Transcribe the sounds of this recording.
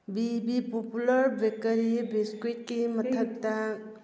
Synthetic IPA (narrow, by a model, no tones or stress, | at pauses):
bibipopuləɾbekəɾibeskit̚kiməək̚t̪a